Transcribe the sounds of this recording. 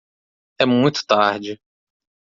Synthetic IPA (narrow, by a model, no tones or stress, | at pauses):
ɛmũj̃t̪ʊ̥t̪aɾd͡ʒɪ